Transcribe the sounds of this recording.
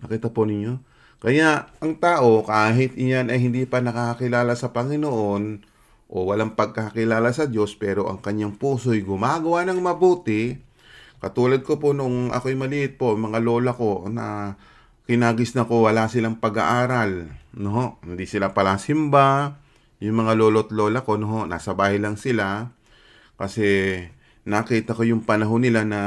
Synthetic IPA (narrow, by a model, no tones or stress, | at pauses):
nɐkiːt̪ɐponɪɲːo̞ | kɐjaʔɐŋt̪aːʔo̞kaːɦɪt̪janɐjhɪnd̪ipɐnɐkakɐkɪlaːlasɐpɐŋɪnoʔo̞n | ʔo̞wɐlaŋpɐɡ̚kɐhɐkɪlaːlasɐdo̞spɛːɾo̞ʔɐ̰ŋkɐɲːaŋpuːsojɡʊmaːɡɐwanɐŋmɐbuːt̪ɪ | kɐt̪uːlɐd̪̚kopo̞nʊŋɐ̰kojmɐlɪʔɪt̪̚poʔmɐŋalo̞ːlɐko̞nɐ | kɪnaːɡɪsnɐko̞wɐlasɪlaŋpɐɡa̰ʔaːɾalnoɦo̞ʔhɪnd̪isɪlapɐlasɪmba | jʊŋmɐŋaloːlo̞t̪lo̞ːlɐko̞noɦo̞ʔna̰ːsɐbaːhɪlɐŋsɪla | kɐsɛ | nɐkiːt̪ɐko̞jʊŋpɐnɐɦo̞nɪlanɐ